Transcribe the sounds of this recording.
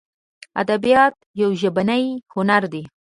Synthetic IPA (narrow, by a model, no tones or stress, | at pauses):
a̰d̪abijɑt̪jawʒəbanəjhʊnaɾd̪e